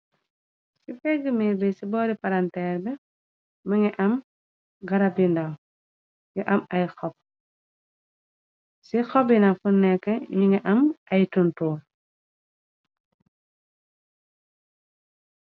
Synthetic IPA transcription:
sifɛɡːəmiɾbɛsibɔːdipaɾantɛːɾbɛ | mɐŋɛʔɐm | ɡɐɾɐbindɐŋ | juʔɐmɐjxɔp̚ | sixɔbinɐfunɛkːɐɲiŋɛʔɐmʔɐjtuntɔː

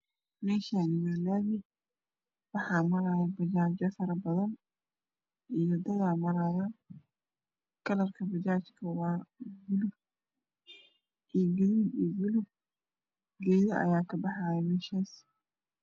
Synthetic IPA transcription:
mɛːʃaːnɪjaːlaːβɪ | wɑħɑːmɐɾaːjɛbɐt͡ʃaːt͡ʃɐfɐɾɐbɐðɐn | ʔijɔd̪ɐɣaːmɐɾaːja | kʰɐlɐrkʰɐbɐt͡ʃaːt͡ʃkʰɐwɑːɡʊlʊb | ʔijɡɪlibiɡʊlʊb | ɡɛjðɐʔɐ̰jaːkʰɐbɑħaːjɛmɛːʃaːs

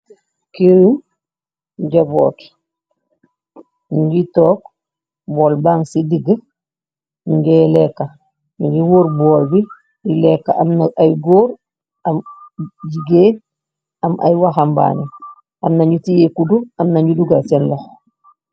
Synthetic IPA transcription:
kiɾim | ɟabɔ̰ːt | ɲuɡitɔːk | bɔːlbaːŋsidiɡə | ɲuɡɛːlɛkːa | ɲuɡiwoːɾbɔːlbi | ilɛkːa̰ʔamnaʔajɡoːɾ | amɟiɡeː | amʔa̰jwaxamba̰ːni | ʔamnaɲutijekuduamnaɲuduɡasɛnlɔx

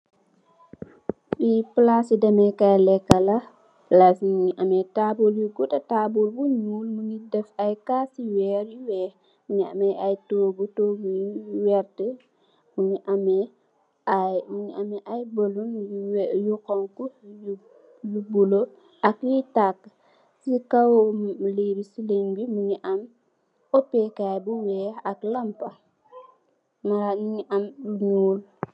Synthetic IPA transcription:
ɓiplasidɛmɛkɐjlɛkːɐlɐ | lafiɲiʔɐmɛtabuljuɡutɐtabulbuɲuːlmuɲidɛfɐjkasiwɛːɾjuwɛː | uɲiɐ̰mɛɐjtoːɡutoːɡujwɛɾtɛ | muɲiʔɐmɛ | auɲiameʔajbolunjukoŋkuju | jubulo | akjitakː | sikawoliɾisileŋbimuɲiʔam | opekajbuwɛːaklampa | maɾamuɲiʔambuɲuːl

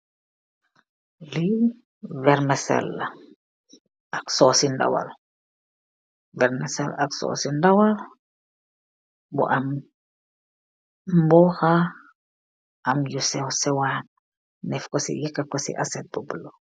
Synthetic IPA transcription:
li | vɛɾmɛsɛ̰lː | ɐksɔːsinda̰wa̰l | vɛɾmɛsɛ̰laksɔ̰sindawal | bṵʔam | mbɔxa | ʔɐmjusɛwsɛwan | nɛfkɔsḭjikːakɔsḭʔasɛt̚bubulo

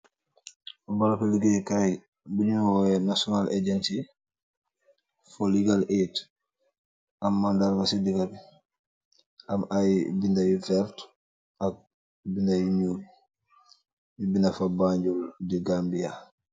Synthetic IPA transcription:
balakuliɡɛkaj | biɲuwɔɛnasɔnalʔeɟɛnsi | foliɡalʔet | ʔamːandaɾmasidiɡabi | ʔamajbindajivɛɾt | ʔak̚ | bindajɲuːl | ibinafabaɲɟuldiɡambija

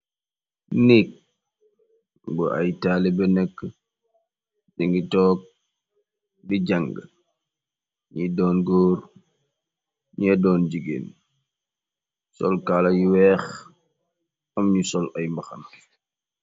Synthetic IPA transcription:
nik̚ | bṵʔɐ̰jtaːlibɛnɛkːə | diŋɡitɔːk̚ | biɟaŋɡə | ɲidɔːnɡoːɾ | ɲɛdɔːnd͡ʒiɡḛːn | sɔ̰lkalɐjiwɛːx | ɐmɲusɔlʔɐjmbɐxɐm

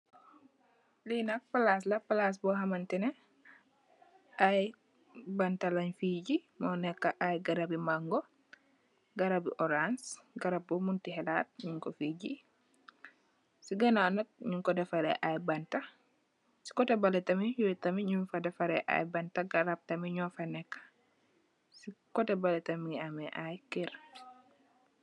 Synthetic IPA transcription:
linɐk̚pɐlas̬lɐpalas̬bɔɦɐmɐntɛnɛ | ʔaj | bɐntɐlɐɲfiɟimɔnɛkːɐʔajɡɐɾabimaŋɡo | ɡɐɾabḭʔɔɾansɡɐɾab̚bɔmuntihɛlat̚ɲuŋkɔfiːɟi | siɡɐnanɐk̚ɲuŋkɔdɛfaɾɛ̰ʔajbɐntɐ | si̥kɔtɛbalɛtɐmiɲutɐmiɲunfɐdɛfaɾɛʔa̰jbɐntaɡaɾab̚tɐmiɲɔfanɛkːɐ̥ | sikɔtɛbalɛtɐmiŋiamɛʔajkiɾ

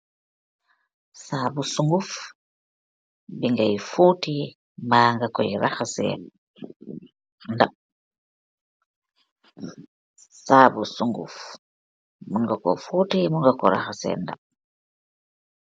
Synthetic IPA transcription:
saːbusuŋɡuf | biŋɡajfuti | maːŋɡakɔjiɾaxasɛ̰ | ndap̚ | saːbusuŋɡṵf | muŋɡakɔ̰futimuŋɡakɔɾa̰xasɛ̰nda̰p̚

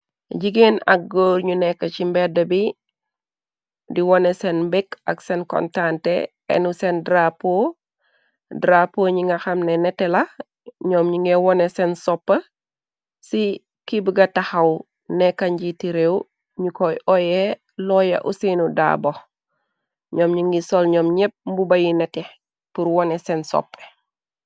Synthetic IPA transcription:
ɟiɡenɐ̰k̚ɡoːɾɲunɛkːɐt͡ʃimbɛdɐbi | diwɔnɛsɛnmbikɐksɛnkɔ̰ntantɛ̰ | ɛ̰nusɛndɾapo | dɾapoːɲiŋɡɐxɐmnɛnɛtːɛlɐ | ɲɔːmɲuŋɡɛwɔnɛsɛnsɔpːə | si | kibəɡɐtɐxɐw | nɛkɐɲɟitiɾew | ɲukɔjʔɔjɛ | lɔjɐ̰ʔusinuda̰ːbɔ | ɲɔːmɲiŋɡisɔlɲɔmɲɛp̚mbubɐjinɛtɛ | puɾwɔnɛsɛnsɔ̰pːə̥

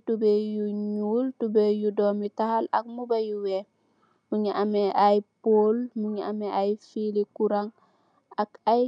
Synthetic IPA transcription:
tubejuɲuːltubejudomitahalɐ̰k̚mubajuwe | muɲiʔameʔajpoːlmuɲiameʔajfilikuɾaŋ | akaj

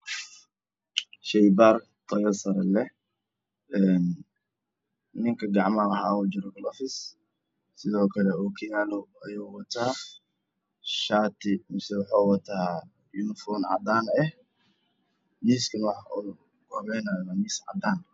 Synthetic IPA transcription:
ʃɛjbaːr | t̪ʰɐjɐsɐɾɐlɛ | ɛːn | nɪŋkʰɐɡɑʕmaɦaːud͡ʒɪɾɔɡɐlɔfɪs | sɪðɔːkʰɐlɛuːkʰɐjaːlɔɐjoːwɐt̪ʰaː | ʃaːt̪ʰɪmɪsɛwʊħaːwɐt̪ʰaː | junfɔːnʕɑ̰d̪aːnɛh | miːskʰɐnwɑħ | ɡɔβɛːnaɐmamiːsʕɑ̰d̪aːn

